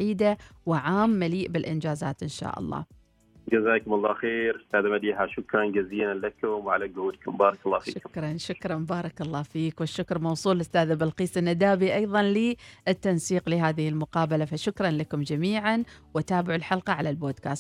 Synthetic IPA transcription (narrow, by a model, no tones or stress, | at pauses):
ʕiːd̪awɪʕaːmːaliːʔbɪlʔɪnd͡ʒaːza̰ːt̪ʔɪnʃa̰ːʔɑ̰lˤːɑ̰ː | d͡ʒazaːkʊmɑlˤːɑːxeːɾʔɪst̪aːðamad̪iːɦaʃʊkɾˤɑnɡaziːlanlakʊmwʕa̰laɡʊhuːd̪kʊmbɑːɾˤɑkɑlˤːɑːfḭːʃʊkʊmkɾˤɑnʃʊkɾˤɑnbɑːɾˤɑkɑlˤːɑːfiːkwɪʃːʊkɾmɑwsˤuːlʔɪst̪aːðabalqiːsɪnːad̪aːbiʔɑjðˤɑnlɪʔɪt̪ːansiːqlɪɦaːðɪhɪlmʊqɑːbalafaʃʊkɾˤɑnlakʊmd͡ʒamiːʕanwɪt̪aːbɪʕɪlħɑlqɑʕalalboːd̪ka̰ːst̪